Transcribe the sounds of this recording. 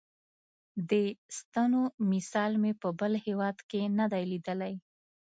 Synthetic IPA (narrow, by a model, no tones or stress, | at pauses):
d̪əst̪anomisɑlmepəbəlhewɑd̪kenad̪ajlid̪əlaj